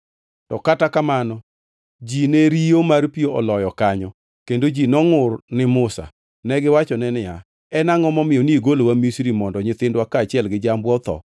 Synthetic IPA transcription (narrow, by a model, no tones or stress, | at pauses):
tɔkatakamanɔ | d͡ʒineɾijomarpioɔlɔjɔkaɲɔ | kendod͡ʒinɔŋʊrnɪmʊsa̰ | nɛɡɪwat͡ʃɔnɛnɪja | ɛnaŋɔmɔmɪɔniiɡolowamisɾimɔndɔɲɪt̪ɪndwakaːt͡ʃɪɛlɡɪd͡ʒambwɔt̪ɔ̰